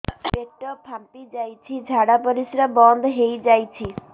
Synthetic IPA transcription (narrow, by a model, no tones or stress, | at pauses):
beʈɔpʰampid͡ʒajt͡ʃʰid͡ʒʱaɽapɔɾisɾabɔnd̪ʱɦejd͡ʒajt͡ʃʰi